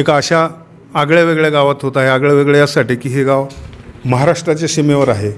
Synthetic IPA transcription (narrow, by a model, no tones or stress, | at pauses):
ekaəɕaː | ɡɭjaʋeɡɭaɡaʋat̪ɦot̪aɦeaɡɭjaʋeɡɭjasaʈikiːɦeɡaʋməɦaɾaʂʈɾat͡ɕeɕimeʋəɾaɦe